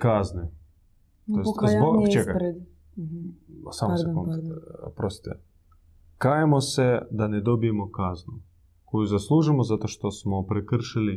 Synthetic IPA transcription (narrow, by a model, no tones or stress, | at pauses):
kazne | t̪ojet̪zboɡt͡ʃekaɾed̪ | samsekonpɾost̪i̥t̪ɛ̰ | kajemosed̪aned̪o̞bijemokaznu | ko̞juzaslˠuʒimozat̪o̞ʃt̪osmopɾekr̩ʃili